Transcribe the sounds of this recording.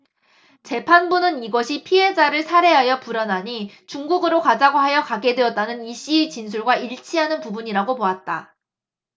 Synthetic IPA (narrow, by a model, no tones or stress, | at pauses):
t͡ɕe̞pʰanbunɯniɡʌɕʰipʰiɦe̞d͡ʑaɾɯɭsʰaɾe̞ɦajʌpuɾʌnɦaɲi | t͡ɕuŋɡuɡɯɾokad͡ʑaɡoɦajʌkaɡe̞dwe̞ʌt̚t͈anɯniɕ͈iet͡ɕins̬ʰuɭɡwaiɭt͡ɕʰiɦanɯnpubuɲiɾaɡopoat̚t͈a